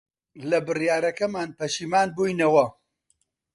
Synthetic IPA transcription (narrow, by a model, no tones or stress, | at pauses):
lɐbɨrjaːɾɐkɐmaːnpɐʃiːmaːnbuːjnɐwɐ